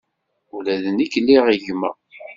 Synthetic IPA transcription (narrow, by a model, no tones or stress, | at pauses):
ulæðənikːlːiʁiʝmæ̰